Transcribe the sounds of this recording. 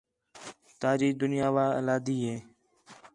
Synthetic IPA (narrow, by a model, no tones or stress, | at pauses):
t̪aːd͡ʒiːd̪ʊnɪjaːʋaːə̰laːd̪iːɦeː